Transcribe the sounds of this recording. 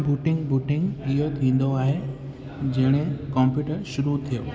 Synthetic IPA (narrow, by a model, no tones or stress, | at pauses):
buːʈɪ̃ŋɡbuːʈɪ̃ŋɡɪɦot̪ʰĩːn̆d̪oaːɦe | d͡ʑɐɦɪɽ̃ẽkɔ̃ːmpjuːʈəɾʃʊɾut̪ʰijo̰ː